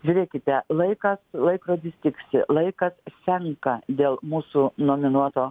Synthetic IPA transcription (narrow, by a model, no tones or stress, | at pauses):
ʒʲuːɾʲeːkʲɪt̪ʲɛlˠɐɪkɐslˠɐɪkɾoːd̪ʲɪsʲt̪ʲɪksʲɪlˠɐɪkɐssʲɛŋkɐd̪ʲeːlˠmuːsunoːmʲɪnuɔt̪oː